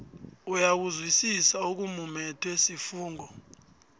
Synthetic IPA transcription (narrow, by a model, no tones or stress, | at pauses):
ujak̬uzwisisauk̬umumɛtʰwesifuːŋɡʱɔ